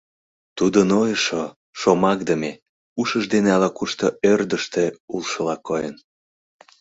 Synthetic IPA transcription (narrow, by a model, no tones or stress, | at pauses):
t̪ud̪ənojəʃo | ʃomɑk̚d̪əme | uʃəʒd̪eneɑlɑkuʃt̪oørd̪əʃt̪eulʃəlɑkːojə̰n